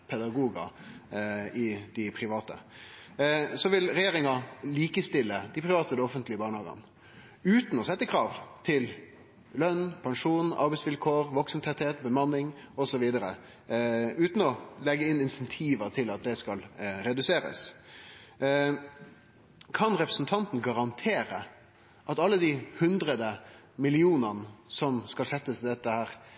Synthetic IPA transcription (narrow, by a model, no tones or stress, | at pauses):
pʰɛd̪ɑɡuːɡɑ̰ | ɪd̪̥ɪpʰɾɪʋɑːt̪ə̰ | sɔʋɪlɾɛjeːɾɪŋɑliːkəst̪ɪlːəd̪ɪpʰɾɪʋɑːt̪əd̪ɛɔfənt̪lɪəbɑːɳəhɑːɡə̰n | ʉːt̪n̩ɔsɛt̪ːəkʰɾɑːʋt̪ʰɪl | lœnːpʰɑŋʂuːnɑ̰ɾbɛɪtsʋɪlkʰoːɾʋɔksəm̩t̪ʰɛt̪heːt̪bəmɑnːɪŋɔsɔʋiːd̪əɾə̰ | ʉːt̪n̩ɔlɛɡːəɪnɪnsɛnt̪ʰiːʋət̪ʰɪlɑt̪̚d̪ɛskɑlɾɛd̪ʉseːɾə̰s | kʰɑnɾɛpɾəsn̩t̪ʰɑnt̪n̩ɡɑɾɑnt̪ʰeːɾə | ʔɑt̪ɑlːəd̪ihʉnd̪ɾəd̪ə | mɪlɪuːnənəsɔmskɑlsɛt̪ːəsɪd̪ɛt̪ːəhæːɾ